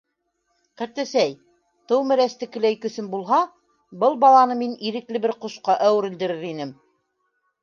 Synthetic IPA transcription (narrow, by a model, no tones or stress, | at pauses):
qæɾt̪æ̆sæj | t̪ɤwmɘ̆ɾæst̪ɘ̆kɘ̆læjkɵ̆sɘnbulˠɦɑ | bɤlˠbɑlˠɑnɤminiɾɘ̆klɘbɘɾqŏʃqɑʔæwɘɾɘ̆ld̪ɘ̆ɾɘɾinɘm